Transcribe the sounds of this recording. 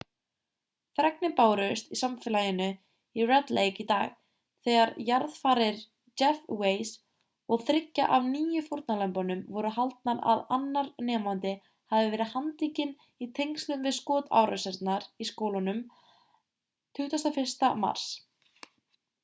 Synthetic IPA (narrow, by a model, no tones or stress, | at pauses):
θɾɛknɪpaːwɾœst̪isamfɛlajɪnʏ | irɛt̪lejkit̪aːɣ | θɛːɣaɾjaɾðfaːɾɪɾ | d͡ʒɛfweːjs | ɔɣθɾɪcːa̰ʔavniːjʏfoɾt̪nalɛmpɔnʏmvɔɾʏɦalt̪̚naɾa̰ðanːaɾnɛːmant̪ɪ | havɪvɛːɾɪðhant̪iːcɪn | it̪ʰejŋkst̪lʏmvɪðskɔːt̪a̰wɾœ̰sɛɾt̪naɾiskoːwlanʏm | t̪ʰʏht̪ast̪afɪr̥st̪ama̰r̥s